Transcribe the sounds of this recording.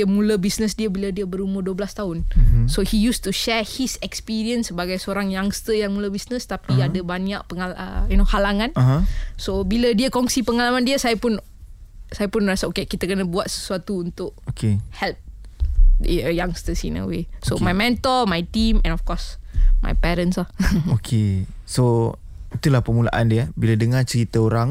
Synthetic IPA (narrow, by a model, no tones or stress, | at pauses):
əmũləbisnəsdiəbilədiəbəɾumərduəbəlast̪aʊnsohijust̪uʃɛhisɛkspiɾiənsːəbaɡajsəoɾaŋjaŋst̪əjaŋmuləbisnəst̪apiadəbaɲaʔpəŋaləjunohalaŋansobilədiəkɔŋsipəŋalamãndiəsajapʊn | sajapʊnrasaokekit̪akənabuat̪̚sə̥suat̪uunt̪ʊʔokehɛlp̚ | əjaŋst̪əsḭnə̰wḛsomajmɛ̃nt̪ɔlmajt̪imɛ̰̃nɔfkɔsma̰jpɛɾənslahokʰeso | it̪ulahpəmula̰ʔa̰ndiəbiladəŋat͡ʃəɾit̪əoɾaŋ